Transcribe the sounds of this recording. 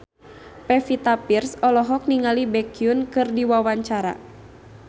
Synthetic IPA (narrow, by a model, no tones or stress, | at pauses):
pɛfit̪apirsɔlɔɦɔk̚niŋalibɛkiunkɨrdiwawaɲt͡ʃaɾa̰